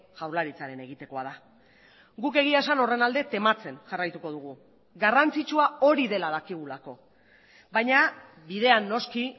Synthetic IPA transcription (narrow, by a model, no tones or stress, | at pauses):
ʝawɾlaɾit͡saɾe̞ne̞ɣ̞it̪e̞ko̞að̞a | ɡuke̞ɣ̞iaesano̞re̞nald̪e̞t̪e̞mat͡se̞nʝarajt̪uko̞ð̞uɣ̞u | ɡarant͡sit͡ʃuao̞ɾiðe̞lað̞akiɣ̞ulako̞ | bajɲa | biðe̞anːo̞ski